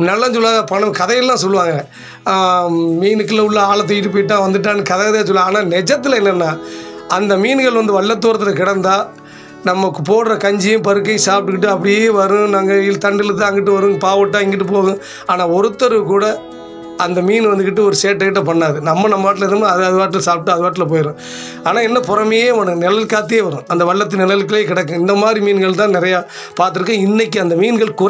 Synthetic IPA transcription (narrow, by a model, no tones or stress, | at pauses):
nɐlːaːs̬ɔlːʋaːŋɐpɐɳɯ̃kɐðɐjɐllːãːsɔlːɯʋaːŋɡɐ | miːnɯkːɯlɐʊɭːɐaːɭɐt̪̬ːɔjɪʈ̬ːɯpoːjɪʈ̬ːãːʋɐnd̪ɯʈːaːnːɯkɐðɐjɐðaːs̬ɔlːãaːnaːnɛd͡ʒɐt̪ːɪlɐɛnːɐnːãːɐnd̪ɐmiːnɡɐɭʋɐnd̪ɯʋɐɭːɐt̪̬ːuːɾɐt̪ːɪlɐkɪɽɐnd̪aː | nɐmːɐkːɯpoːɽɾɐkɐɲd͡ʒɪjʊ̃pɐɾɯkːɐ̃saːp̚ʈːɯkɪʈːɯɐpːɐɽɪjeːʋɐɾɯ̃naːŋɡɐɪlt̪ɐɳɖɪlt̪ãːɪŋɡɪʈːɯʋɐɾɯ̃paːʋɐʈːãːɪŋɡɪʈːɯpoːɣʊ̃ | aːnaːɔɾɯt̪ːɐɾɯkuːɽɐ | ɐnd̪ɐmiːnʋɐnd̪ɯkːɪʈːɯɔɾɯseːʈːɐɪʈːɐpɐɳːaːðɯnɐmːɐnɐmːɐaːʈ̬ːɪlɪɾnɯmɐðɯɐðɯʋaːʈːɪlsaːp̚ʈːɯɐðɯʋaːʈ̬ːɪlɐpoːjɪɾʊ̃ː | aːnaːɛnːɐpɔɾɐmɐjeːʋɔnɐnɛlɐlkaːt̪̬ːɪjeːʋɐɾɯ̃ɐnd̪ɐʋɐɭːɐt̪̬ːɯnɛlɐlk̬ːɯleːkɪɽɐkːʊ̃ɪnd̪ɐmaːd̪ɾimiːnɡɐɭt̪ãːnɪɾɐjaː | paːɾt̪̬ɯɾɯkːɐ̃ːɪnːɛkːɯɐnd̪ɐmiːnɡɐɭkʊ